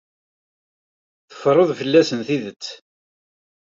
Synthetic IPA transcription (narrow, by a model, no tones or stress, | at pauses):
θə̥fɾˤoðˤfəlːæsənθiðət͡sː